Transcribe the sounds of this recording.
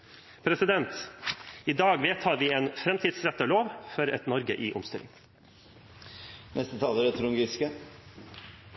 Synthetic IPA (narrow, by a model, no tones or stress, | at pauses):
pʰɾɛsɪd̪ɛnt̪ | iːd̪ɑːɡʋeːt̪ʰɑːɾʋiːeːnfɾɛmt̪ʰiːd̪sɾɛt̪əloːʋfɔɾɛ̰t̪nɔɾɡə̰ʔḭːʔʊ̰mst̪ɪ̰lɪ̰ŋ | nʔɛst̪ət̪ʰɑːləɾət̪ʰɾʊŋɡɾɪskə